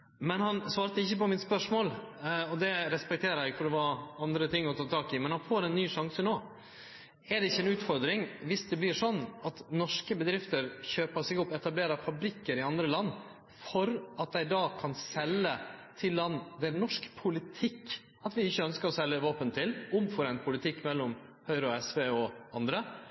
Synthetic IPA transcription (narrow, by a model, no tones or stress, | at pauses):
mɛnhɑnsʋɑːɾt̪əɪçːəpɔmɪt̪spœʂmoːlɔd̪ɛɾɛspɛk̚t̪ʰeːɾæɪɡfɔd̪ɛʋɑɑnd̪ɾət̪ʰɪŋːɔt̪ʰɑːt̪ʰɑːkɪmɛnhɑnfoːɾɛnnːyːʂɑŋsənoː | ɛɖ̪ɛɪçːəɛnʉːt̪fɔɾd̪ɾɪŋʋɪsd̪ɛblɪʂɔnːɑt̪nɔʂkəbəd̪ɾɪft̪əɾçøːpɑsɪɡɔpːɛt̪ɑbleːɾɑfɑbɾɪkːəɾɪɑnd̪ɾəlɑnː | fɔɾɑt̪̚d̪æɪd̪ɑːkʰɑnsɛlːət̪ʰɪlːɑnːʋ̪ɛnɔʂkpʰʊlɪt̪ʰɪkː | ɑt̪ʋɪɪçːəœnskəɾɔsɛlːəʋɑːpənt̪ʰɪlʊmfɔɾɛnt̪̚pʰʊlɪt̪ʰɪkːmɛlːɔm | hœʏɾəɔɛsʋeːɔɑnd̪ɾə